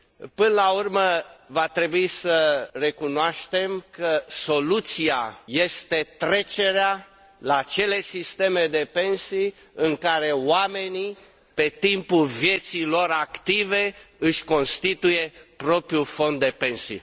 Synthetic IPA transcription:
pɨnəlaurməvat̪ɾe̞buisəre̞kunoaʃt̪e̞mkəso̞lut̪siaje̞st̪e̞t̪ɾe̞t͡ʃe̞ɾea | laːt͡ʃe̞le̞sist̪e̞me̞d̪e̞pe̞nsi | ɨŋkaɾe̞wame̞ni | pe̞t̪impulvje̞t̪silo̞ɾakt̪ive̞ɨʃʲko̞nst̪it̪ujepɾo̞pɾiufo̞nd̪̚d̪e̞pe̞nsḭ

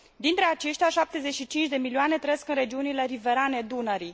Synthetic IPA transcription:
d̪int̪ɾe̞at͡ʃe̞ʃt̪ʲaʃap̚t̪e̞zet͡ʃʲʃit͡ʃint͡ʃd̪e̞milioane̞t̪ɾeeskɨnɾe̞d͡ʒiunile̞ɾive̞ɾane̞d̪unəɾi

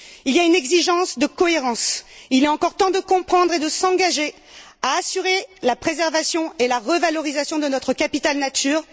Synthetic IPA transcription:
iljaynɛɡziʒɑ̃sd̪əkɔeʁɑ̃silɛɑ̃kɔʁt̪ɑ̃d̪əkɔ̃pχɑ̃d̪ʁed̪əsɑ̃ɡaʒe | aːsyʁelapχezɛʁvasjɔ̃elaʁəvalɔʁizasjɔ̃d̪ənɔt̪χəkapit̪alnat̪ʰyːʁ

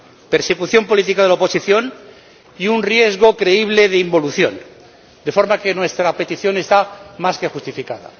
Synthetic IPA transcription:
pe̞ɾse̞kuθjo̞mpo̞lit̪ikaðeaopo̞siθjo̞n | iunrje̞zɣ̞o̞kɾe̞iβ̞le̞ðeimbo̞luθjo̞̰n | d̪e̞fo̞ɾmake̞nwe̞st̪ɾape̞t̪iθjo̞ne̞st̪amaske̞xust̪ifikaða̰

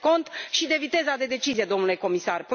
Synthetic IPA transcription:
ko̞nt̪ʃid̪e̞vit̪e̞zad̪e̞d̪e̞t͡ʃizije̞d̪o̞mnule̞ko̞misarpɾ

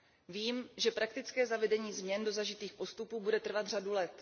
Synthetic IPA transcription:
viːmʒɛpɾakt̪ɪt͡skɛːzavɛdɛɲiːzmɲɛndo̞zaʒɪt̪iːxpo̞st̪upuːbudɛt̪r̩vat̪r̝adulɛt̪

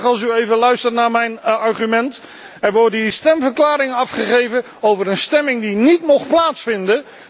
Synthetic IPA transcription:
χɑlˠsyejvəlœɥstərnaːɹmɛjnɑɹχymɛnt | ɛɹʋɔɹdistɛmvəɹklaːɾɪŋəɑfχəχejvə | owvəɾənstɛmɪŋdinitmɔχplaːtsfɪndə

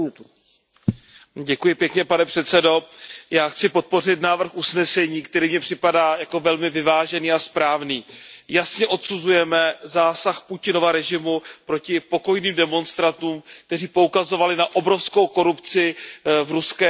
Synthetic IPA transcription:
ɟɛkujɪpjɛkɲɛpanɛpr̥ɛt̪t͡sɛdo̞jaːxt͡sɪpo̞t̪̚po̞rɪt̪naːvr̩xʔusnɛsɛɲiːkt̪ɛɾiːmɲɛpr̥ɪpadaːjako̞vɛlmɪvɪvaːʒɛniːaspɾaːvniːjasɲɛʔo̞t̪suzujɛmɛzaːsaxpucɪno̞vaɾɛʒɪmupɾo̞cɪpo̞ko̞jniːmdɛmo̞nst̪ɾant̪uːmk̚t̪ɛriːpo̞ukazo̞valɪnaʔo̞bɾo̞fsko̞wko̞ɾupt͡sɪvɾuskɛː

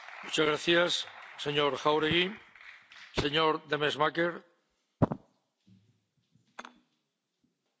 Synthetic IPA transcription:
mut͡ʃazɣɾaθjasseɲoɾxawɾeɣi | seɲoɾd̪emezmakeɾ

